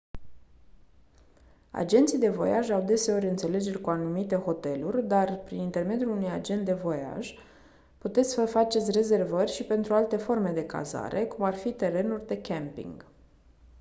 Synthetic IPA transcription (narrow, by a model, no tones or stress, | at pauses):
a̰d͡ʒe̞nt̪sijd̪e̞vo̞̰jaʒawd̪e̞se̞o̞ɾʲɨnt̪se̞le̞d͡ʒe̞rʲkuanumit̪e̞ho̞t̪e̞lurʲd̪arpɾinint̪e̞rme̞d̪julunujad͡ʒent̪d̪e̞vo̞ja̰ʒ | put̪e̞t̪sʲsəfat͡ʃe̞t̪sʲre̞ze̞rvərʲʃipe̞nt̪ɾualt̪e̞fo̞rme̞d̪e̞ka̰za̰ɾʔe̞kumarfit̪e̞ɾe̞nurʲd̪e̞kʲempḭŋɡ